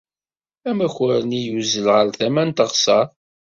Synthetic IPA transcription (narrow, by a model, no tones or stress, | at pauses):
æmæçʊɾənijuzəlʁəɾθæmænt̪əʁsɑˤ